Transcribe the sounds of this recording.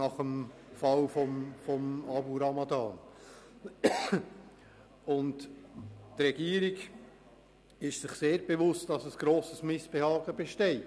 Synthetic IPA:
nɑχəm | fɑlfɔmfɔmɑbuɾɑmɑdɑːn | ʊnt | tɾɛɡ̥iːəɾiɡ | ɪʃsɪχseːɾbevʊstd̥ɑsəsɡ̥ɾoːsəsmɪsb̥ehɑːɡəbeʃtɛɪt

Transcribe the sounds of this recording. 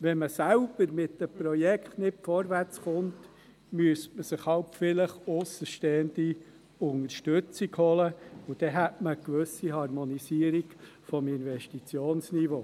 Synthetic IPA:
ʋɛnməsælb̥əɾmɪtdəpɾɔjɛkχtnɪtfɔɾʋært͡sχʊnt | myəstməsɪχhɑlpfɪləχʊsəʃteːəndi | ʊŋəɾʃtʏt͡siɡhɔləʊd̥̪ɛɦætməkʋɵsihɑɾmɔnisiəɾiɡ | fɔmɪnvɛʃtit͡sjoːnsnivoː

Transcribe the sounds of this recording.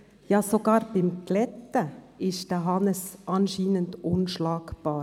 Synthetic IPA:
jɑːsoɡɑːɾbɪmɡlɛt̪ə | ɪʃd̥əɦɑnəsʔɑnʃiːnəntʔʊnʃlɑːkb̥ɑːɾ

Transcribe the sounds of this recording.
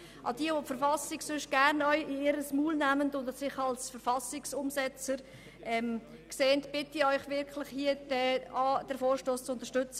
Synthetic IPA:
ʔɑ̰d̥iəvopfəɾfɑsɪksʏʃɡ̥æɾnœʏɪɪɾəsmuːlnæməndʊndsɪχɑlsfəɾfɑsɪksʊmsɛt͡səɾ | ʔɛm | kseːntb̥ɪtiœʏχvɪɾkʰlɪχhiːəd̥ɛɑd̥ɛɾfoːɾʃtoːst͡sʊntəʃtʏt͡sə

